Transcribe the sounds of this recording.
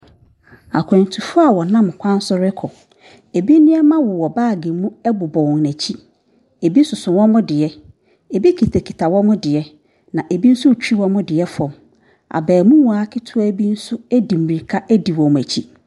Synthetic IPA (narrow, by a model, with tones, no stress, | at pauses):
a̰˨kʰã˨n˨tʰu˨fʊ˦a˨wɔ˨nã˦m˨kʷʰã˦n˦sʊ˦ɾɪ˦kʰɔ˨ | e˨bi˦nɪ̃˦ɛ˦mã˦wʊ˨wɔ˨baː˦˨ɡĩ˨mũ˦ɛ˦bʊ˨bɔ̃˨w̃ŋ˨næ̃˨t͡ɕʰi˦ | e˨bi˦sʊ˨sʊ̃˨wɔ̃˦mʊ̃˦dɪ˨ɛ˦ | e˨bi˦kʰi˨tʰa˨kʰi˨tʰa˨wɔ̃˦mʊ̃˦dɪ˨ɛ˦ | nã˨ʔe˨bi˦n̩˦sʊ˦˨t͡ɕᶣi˦wɔ̃˦mʊ̃˦dɪ˨ɛ˦fɔ̃˨m | a̰˨bɛː˨mũ˦wɔ̃˨a˨˦kʰɪ˦tʰʊ˦ɔ˦bi˦n̩˦sʊ˦æ˦di˨m˨i˨kʰa˦ʔæ˦di˨wɔ̃˨m˨æ˨t͡ɕʰi˦